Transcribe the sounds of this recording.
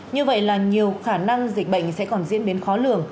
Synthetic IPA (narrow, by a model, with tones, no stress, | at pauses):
ɲɨ˧və̰˧˨jlaː˨˩ɲi˨˩əwxaː˧˩na˧ŋzi˨˩k̟̚ɓə̰˧˨jŋ̟sɛ̰˧˥kɔ˨˩nzḭ˧˥ənɗe˨˦nxɔ˨˦lɨ˧˩əŋ